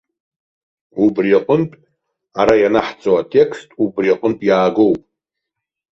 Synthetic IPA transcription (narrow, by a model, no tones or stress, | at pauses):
ubraqʷʼʊntʼ | aɾajanaħt͡sʼowatʰʼe̞kʰstʼubriqʼʊntʼjaːɡo̞wpʼ